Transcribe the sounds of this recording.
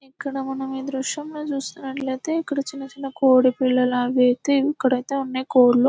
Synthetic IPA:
ikːɐɽɐmɐnɐmid̪ɾuʂjɐmnoːt͡ʃuːst̪uːnːɐʈlɐjt̪e̞ːikːɐɽɐt͡ʃinːɐt͡ʃinɐkoːɽipilːɐlɐaːʋeːt̪eikːɐɽɐjt̪e̞ːunːeːkoːɽlu

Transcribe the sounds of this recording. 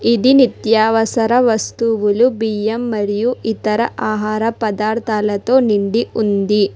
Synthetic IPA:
id̪init̪jaːʋɐsɐɾɐʋɐst̪uʋulubijɐmːɐɾijuit̪ɐɾɐʔaːɦaːɾɐpɐd̪aːɾt̪ʰaːlɐt̪o̞ːniɳɖiʔund̪i

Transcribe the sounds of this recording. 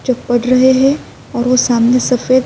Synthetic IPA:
t͡ʃɐpːɐɽɾɐɦeɦɛ̃ | ɔːɾʋosaːmnesɐfeːd̪

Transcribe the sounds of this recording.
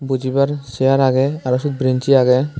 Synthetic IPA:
bud͡ʒibaɾsɛjaɾaɡɛaɾɔsut̪̚bɾint͡ʃiaɡɛ

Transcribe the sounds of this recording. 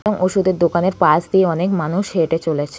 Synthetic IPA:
bɔŋʔoʃud̪eɾd̪okaneɾpasd̪ieɔnekmanuʃɦeʈet͡ɕolet͡ɕʰe

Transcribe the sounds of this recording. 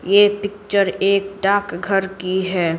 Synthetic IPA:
jepɪk̚t͡ʃəɾeːk̚ɖaːkɡʱəɾkiɦɛː

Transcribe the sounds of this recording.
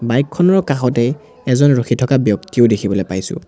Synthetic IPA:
bajkʰːɔnɔɹkaxɔtɛj | ɛzɔnɹoxitʰɔkabjɔktiʊdekʰibɔlɔjpajsʊ̰̃

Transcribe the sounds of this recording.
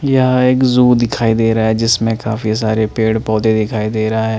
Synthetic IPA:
jaeːkzuːd̪ɪkʰaːid̪eːɾaɦaɦɛd͡ʒɪsmẽkaːfisaːɾepeːɽpɔːd̪ed̪ɪkʰaːid̪eːɾɐɦaɦɛː

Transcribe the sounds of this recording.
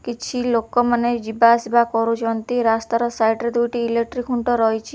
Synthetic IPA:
kit͡ʃʰilokɔmaned͡ʒibasibʱakɔɾut͡ʃʰɔnt̪iɾast̪aɾɔsajʈɾed̪ujʈiːlek̚ʈɾikʰuɳʈɔɾɔɦjt͡ʃʰi

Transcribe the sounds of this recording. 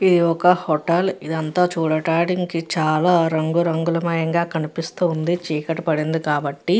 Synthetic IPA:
id̪iɔkɐhɔʈɐlid̪ɐnt̪aːt͡ʃuːɽɐʈaːɽiŋkit͡ʃaːlaːɾɐŋɡuɾɐŋɡulɐmɐjɐŋɡaːkɐnipist̪und̪it͡ʃiːkɐʈːɐpɐɽind̪ukaːbɐʈːi

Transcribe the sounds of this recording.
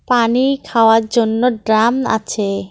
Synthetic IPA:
paniɾkʰaoaɾd͡ʑonːoɖɾama̰t͡ɕʰe

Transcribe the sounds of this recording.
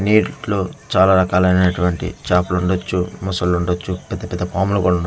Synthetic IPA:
niːɾloːt͡ʃaːlaːɾɐkaːlɐjnɐnɐʈuʋɐɳʈḭt͡ʃaːpluɳɖot͡ʃːumusɐlːuɳɖot͡ʃːupɛd̪ːɐpɛd̪ːɐpaːmulɐkuːɽɐuɳɖo

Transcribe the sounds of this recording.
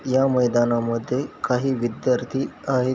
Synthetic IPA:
jaməjd̪anaməd̪ʱːjekaɦiːʋid̪jaɾt̪ʰiːaɦe

